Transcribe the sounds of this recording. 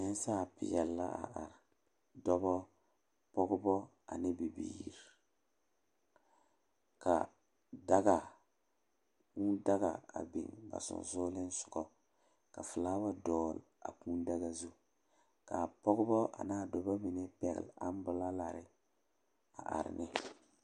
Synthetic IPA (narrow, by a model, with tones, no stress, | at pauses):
ɲɛ˦n˦saː˦˨pɪ̰˨jɛ˨lːa̰˦ʔa̰˨ʔa˨ɾ | dɔ˦bɔ˦ | pɔ˦ɡʊ˦bɔ˦ | a˨nɪ˦bi˨bḭː˨˦ɾi˨ | ka˨ | da˦ɡa˨ | ku˦da˦ɣa̰˨a̰˨bḭ˨ŋba̰˨sʊ̰˨n˨zʊː˦lɪ˦n˦sʊ̥˨ɡɔ˦ | ka˨fɨ˨laː˦wa˦dɔː˦˨la̰˨ku˦n˦da˦ɣa˦zu˦ | ka˨pɔ˦ɡʊ˦bɔ˦ʔa̰˨naː˦˨dɔ˨ba˦mi˨nɛ˦pɛ˨ɣɪ̰˨la˦n˦bʊ˦la˦la˨ɾɪ˦ | a˨ʔa̰˨ɾɪ̰˨nɪ˦